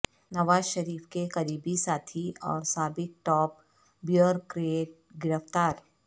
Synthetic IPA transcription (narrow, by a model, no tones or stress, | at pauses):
nɐʋaːzʃɐɾiːfkekɐɾiːbisaːt̪ʰiɔ̰ːɾsaːbɪk̚ʈɔːp̚ | bjəɾkɾeːʈ̚ | ɡɪɾəft̪aːɾ